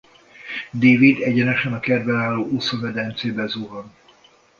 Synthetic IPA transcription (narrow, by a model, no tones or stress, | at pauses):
d̪eːvid̪ɛɟɛnɛʃɛnɒkɛd̪vɛnaːlːoːʔusomɛd̪ɛnt̪seːbɛzuɦɔn